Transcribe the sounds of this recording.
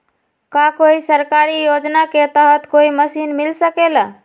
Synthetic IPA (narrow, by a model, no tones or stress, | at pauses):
kakoisəɾkaɾijod͡ʒnaket̪əɦət̪koiməsinmilsəkelə